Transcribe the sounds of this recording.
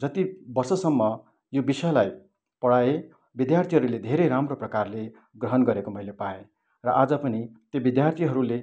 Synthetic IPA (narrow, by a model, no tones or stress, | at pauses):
d͡zʌt̪ibʌrsʌsʌmːʌ | jobisʌjlaj | pʌɽaje | bid̪jart̪ʰiɦʌɾuled̪ʱeɾejɾamroprʌkarle | ɡrʌɦʌnɡʌɾekomʌilepae | rʌʔad͡zʌpʌnit̪jebid̪jart̪ʰiɦʌɾule